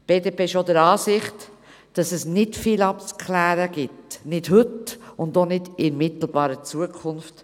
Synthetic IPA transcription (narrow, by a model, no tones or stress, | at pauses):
b̥eːdeːpeːɪʃodəɾɑːsɪχt | d̥ɑsɛsnɪdfiːlɑp̚t͡skʰlæːɾəɡ̥ɪtnɪd̥ɦɵtʊndonɪd̥ɪnmɪt̪l̩ˠbɑːɾət͡suəkʰʊnft